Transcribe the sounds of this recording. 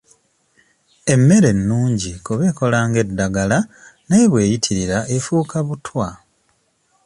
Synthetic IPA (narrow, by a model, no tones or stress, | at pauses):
e̞mːe̞ɾe̞nːuːɲɟikuβe̞ːko̞laːŋɡe̞dːaɡala | nejβwe̞ːjitʰiɾiɾaefuːkaβutʰwa